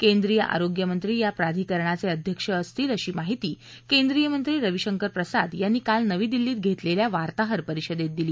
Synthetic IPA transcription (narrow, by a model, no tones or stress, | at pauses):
kend̪ɾijəʔa̰ɾoɡjəmənt̪ɾiːjapɾad̪ʱiːkəɾɳat͡seəd̪ʱjəkʂəːst̪iːləɕiːmaɦit̪iː | kend̪ɾijəmənt̪ɾiːɾəʋiɕəŋkəɾpɾəsad̪janːiːkalnəʋiːd̪ilːiːt̪̚ɡʱet̪leljaʋaɾt̪aɦəɾpəɾiɕəd̪et̪̚d̪iliː